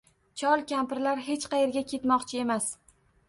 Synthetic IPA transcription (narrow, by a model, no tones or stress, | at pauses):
t͡ʃʰɒlˠkʲampɪɾlaɾɦe̞t͡ʃqɑje̞ɾɡʲakʲʰe̞t̪mɒqt͡ʃʰɪe̞mas